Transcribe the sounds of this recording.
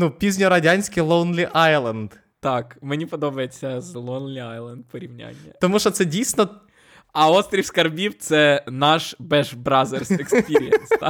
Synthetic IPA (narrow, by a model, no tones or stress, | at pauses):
nupʲizʲnʲɔɾɐdʲanʲsʲkʲijlˠownlʲiʔajlˠɐnd̪ | t̪akmɪnʲipɐd̪ɔbɐjet͡sʲːɐzlˠonlʲiajlˠɐnd̪̚pɔɾʲiʋnʲa̰nʲːɐt̪ɔmuʂt̪ɔt̪sɛdʲijsʲnɔ | ɐɔst̪ɾʲifskɐrbʲiwt̪sɛnaʂbɛʒbɾazɛrsɛkspʲiɾʲiɛnst̪a